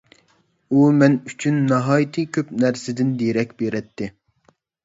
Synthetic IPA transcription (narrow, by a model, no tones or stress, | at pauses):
umɛnyt͡ʃʰynːɑɦɑːjit̪ʰɨkʲʰøpnæɾsɪd̪ɪnd̪eɾɛkʲbeɾɛt̪ʰːɪ